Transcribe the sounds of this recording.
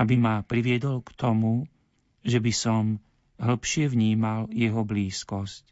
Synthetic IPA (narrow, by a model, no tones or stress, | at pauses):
abimapɾiʋɪɛd̪ɔlkt̪ɔmu | ʒɛbisɔm | ɦl̩pʃɪɛʋɲiːmaljɛɦɔbliːskɔsc